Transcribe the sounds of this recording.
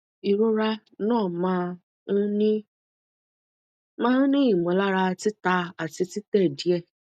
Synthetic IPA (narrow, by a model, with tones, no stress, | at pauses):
i˨ɾo˦ɾa˦ | nɔ̃˦˨ma˦˧˦ | ni˦ | mã˦n̩˦nĩ˦i˨m˨ɔ˨la˦ɾa˧˦tɪ˦ta˧a˨ti˧ti˦tɛ˦˨di˨ɛ˦˨